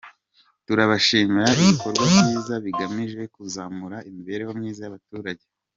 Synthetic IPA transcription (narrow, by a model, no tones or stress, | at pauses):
tuɾaβaʃiːmiɾaiβiko̞ɾɡwamɲiːzaβiɡamiʒe̞kuzaːmuɾaimiβe̞ɾehomɲiːzajaβatuːɾaɟe̞